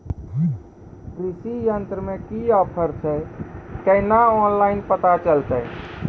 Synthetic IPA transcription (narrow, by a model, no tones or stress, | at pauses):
kɾisijənt̪ɾəmẽkiɔːpʰəɾt͡ʃʰɛkəɪnaɔːnlaɪnpət̪at͡ʃəlt̪əj